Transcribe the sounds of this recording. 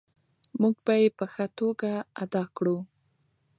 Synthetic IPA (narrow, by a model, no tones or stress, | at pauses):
muɡ̚bajepəxət̪oɡaad̪ɑkɽu